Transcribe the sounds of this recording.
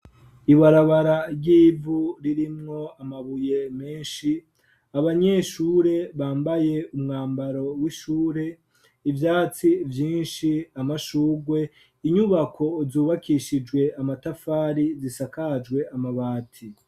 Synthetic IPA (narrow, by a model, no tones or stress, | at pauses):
iβaɾaβaɾaɾɟiːvuɾiɾimŋo̞amaβuje̞meːnʃi | aβaɲe̞ʃuːɾe̞βaːmbaje̞umŋaːmbaɾo̞wiʃuːɾe̞ | ivjaːt͡sivjiːnʃiamaʃuːɡwe̞ | iɲuβakʰo̞zuːβakiʃid͡ʒɡwe̞amatafaːɾizisakad͡ʒɡwe̞amaβaːtʰi